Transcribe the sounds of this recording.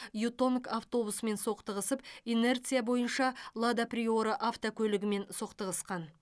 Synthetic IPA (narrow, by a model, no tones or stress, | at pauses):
jut̪o̞nkaft̪o̞busme̞nso̞qt̪əʁəsəpine̞rt̪sɨjabo̞jənʃɑlˠad̪aprʲio̞ɾəʔaft̪okʲʰɵlɪɡʲɪme̞nso̞qt̪əʁəsqɑn